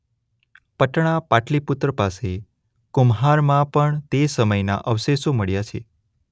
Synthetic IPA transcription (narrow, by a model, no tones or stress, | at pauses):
pəʈɳ̃apaʈliput̪ɾəpase | kʊmɦaɾmãpəɳt̪esəməjna̰ʔəʋseʃoməɭjat͡ʃʰe